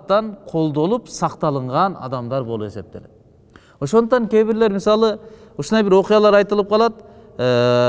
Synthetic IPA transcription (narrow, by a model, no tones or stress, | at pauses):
t̪ːɑɴqʰo̞lˠd̪o̞lˠəpsɑqt̪ɑlˠəɴʁɑnɑ̰d̪ɑmd̪ɑɾbo̞lˠəpe̞se̞p̚t̪ele | woʃo̞nd̪əqt̪ɑŋkʲʰe̞jbɪɾleɾmɪsɑlˠə | ʊʃənd̪ɑjbɪɾwo̞qijɑlˠɑɾɑjt̪əlˠəp̚qʰɑlˠɑd̪ə | ə